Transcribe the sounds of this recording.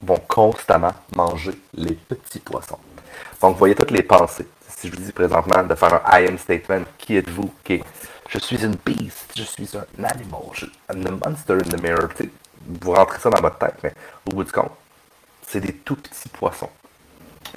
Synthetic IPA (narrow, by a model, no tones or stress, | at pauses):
vɔ̃kʰɔ̃st̪amãmɑ̃ʒelepət͡sipwa̰sɔ̰̃d̪̥ɔ̃kvwajet̪ʊt̪lepɑ̃se | siʒəvud͡zipʁezɑ̰̃t̪mãd̪əfɛːʁɛ̰̃ʔajɛnst̪et̪mɛ̃nt̪kʲʰiɛt̪vukʲeʒ̥əsɥizynpisʒ̥əsɥizɛ̃na̰nimo̰lʒnd̪əmʌ̰̃nst̪ɛɹɪnd̪əmea̰̥t͡se | vuʁɑ̃t̪ʁesʌd̪aɑ̃vɔt̪t̪ːɛ̰ɪt̪mɛobudzykʰɔ̰̃t̪̚ | sed̪et̪upə̥t̪t͡si̥pʰwa̰sɔ̰̃